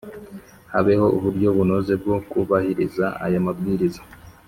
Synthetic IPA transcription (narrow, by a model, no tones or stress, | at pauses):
haβe̞ho̞ʔuβuɾɟo̞βunoze̞b̚ɡo̞kuβahiɾizaa̰jomabɡiːɾizḁ